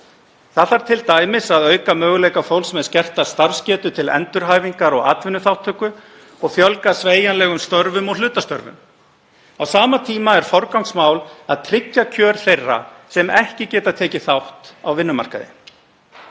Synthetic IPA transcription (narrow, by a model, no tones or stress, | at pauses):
θaðθaɾ̥t̪ʰɪlt̪aːjmɪsaðœːɥkamœːɣʏlejkafowlsmɛðscɛr̥t̪ast̪aɾfscɛːt̪ʏt̪ʰɪlɛ̰nt̪ʏɾɦaːjviŋkaɾɔɣa̰ːt̪vɪnːʏθawht̪ʰːœːkʏ | ɔɣfjœlkasveːjanlɛːɣʏmst̪œɾvʏmɔɣlʏːt̪ast̪œɾvʏ̰m | awsaːmat̪ʰiːmaɛɾ̥fɔɾkawŋksmaːwlaðt̪ʰɾɪcːacʰœːɾ̥θejrːa̰sɛmɛhcɪcɛːt̪at̪ʰɛːcɪθawht̪awvɪnːʏma̰r̥ka̰ðɪ̰